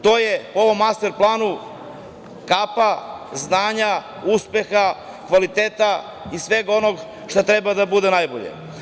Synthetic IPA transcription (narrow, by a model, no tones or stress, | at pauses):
t̪o̞ːjepoo̞ʋo̞mːast̪e̞ɾplˠaːnu | kapaznaːɲa | uspe̞xa | kʋalit̪eːt̪a | isʋe̞ɡo̞noɡ | ʃt̪ot̪ɾebad̪abud̪enajboʎḛ